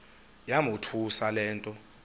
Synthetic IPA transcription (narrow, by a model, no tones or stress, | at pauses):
jamutʰusalɛːntʼɔ